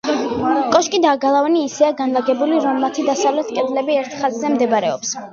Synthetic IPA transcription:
kʼɔʃkʼid̪aːɡalˠavɛniːsɛaɡanlˠaɡɛbuliɾɔmːat̪ʰid̪asavlɛt̪ʰkʼɛd̪lɛbiɛɾt̪ʰχazzɛmd̪ɛbɾɛɔ̰ps

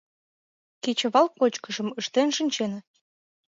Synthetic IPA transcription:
ket͡ɕə̆βɑlkːot͡ɕkə̆ʒə̆məʃt̪enʃɨnʲt͡ɕenə

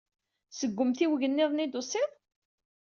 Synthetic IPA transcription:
səɡʷːəmθiwʝənːɪðˤnid̪ʊsˤɪð

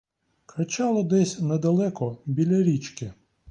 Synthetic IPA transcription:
kɾɐt͡ʃɑlˠɔd̪ɛsʲnɐd̪ɐlˠɛkɔbʲilʲɐɾʲit͡ʃkɪ

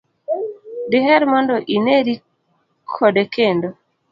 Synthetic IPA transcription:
dɪɦɛɾmɔndɔʔineɾi | kʰɔdekʰendo

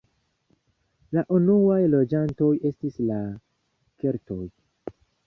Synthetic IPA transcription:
laʔunuajlo̞d͡ʒanto̞je̞stisla | ke̞ɾto̞j

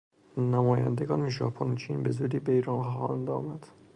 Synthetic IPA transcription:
næmɒːjæ̰nd̪eɡɒːnmeʒɒ̰ːpʰont͡ʃʰiːnbe̞zuːd̪iːbeiːɾɑnxɒ̰ːnd̪ɒ̰ːmæd̪̥

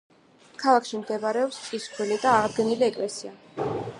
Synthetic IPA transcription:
kʰalˠakʃimd̪ɛbaɾɛɔpsʼispʰɾilid̪aːʁd̪ɡɛniliɛkʼlɛsia

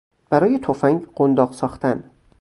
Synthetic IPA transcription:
b̥æɾɒːjet̪ʰofæŋɡɢ̥ond̪ɒːɢsɒːχt̪æn

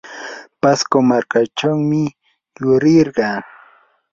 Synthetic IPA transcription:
paskomaɾkat͡ʃawmɪ | jʊɾɪɾɢɑː

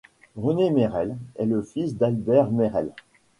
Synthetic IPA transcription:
ʁənemeʁɛlɛləfisd̪albɛʁmeʁɛl

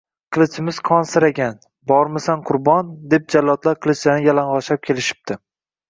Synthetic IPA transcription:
qʰɨlˠɪt͡ʃʰɪmɪz̥qʰɒnsɪɾaɡʲan | bɒɾmɪsanqʰʊɾbɒnd̪e̞p̚d͡ʒalːɒt̪laɾqʰɨlˠɪt͡ʃlanɪjalanʁɒʃap̚kʲʰe̞lɪʃɪ̥p̚d̪ɪ

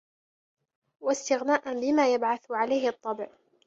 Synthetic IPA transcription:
wast̪ɪɣnaːʔanbɪmaːjabʕaθʕalajhɪʔɑt̪ˤːɑbʕ

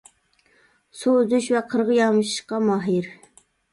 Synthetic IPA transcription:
suøzyʃvɛqʰəɾʁəjɑmɨʃɨ̥ʃqɑmɑɦiɾ

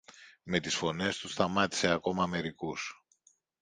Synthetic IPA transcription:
me̞t̪isfo̞ne̞st̪usθɐmɐt̪i̥se̞ɐko̞mɐme̞ɾikus

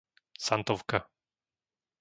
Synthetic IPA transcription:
sant̪ɔwka

